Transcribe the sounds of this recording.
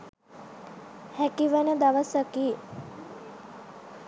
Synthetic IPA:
hækiʋənəd̪aʋəsəkiː

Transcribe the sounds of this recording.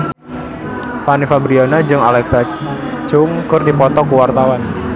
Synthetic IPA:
fanifabɾiɔnad͡ʒɨŋalɛksat͡ʃʊŋkɨrdipɔt̪ɔkuwart̪awan

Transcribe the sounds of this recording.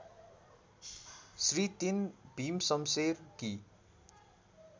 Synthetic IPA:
srit̪inbʱimsʌmserki

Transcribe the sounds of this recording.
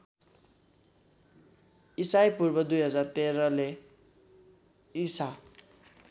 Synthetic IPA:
isajpurbʌd̪ujɦʌd͡zart̪eɾʌle | isa

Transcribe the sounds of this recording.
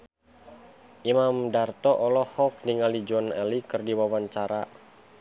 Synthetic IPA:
ʔimamdart̪ɔʔɔlɔhɔk̚niŋalid͡ʒɔnɛlikɨrdiwawaɲt͡ʃaɾa

